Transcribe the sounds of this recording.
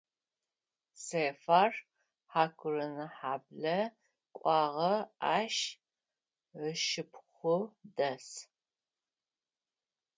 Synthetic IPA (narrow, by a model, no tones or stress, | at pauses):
seːfar | ħaːkʷʰʊrɐnɨħaːbɮɐ | kʷʼɑːʁɐaːʃ | əʃɪpʰχʷʊdɐs